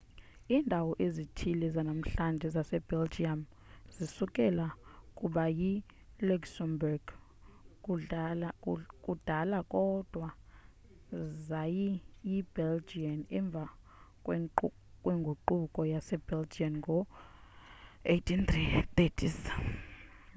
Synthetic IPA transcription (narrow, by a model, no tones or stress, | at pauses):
iːndʱawɔʔezitʰilɛzanam̩ɬand͡ʒʱɛzasɛb̥ɛld͡ʒiam | zisukʼɛlakʼuɓaji | luksɛmbrɡ̥ | kʼud̥ʱalakʼɔd̥ʱwa | zajijibɛld͡ʒianɛɱb̪vʱa | kʼw | kʼweŋɡʱuǃukʼɔjasɛb̥eld͡ʒianŋɡʱɔ | ejtʰint̪rit̪etʰis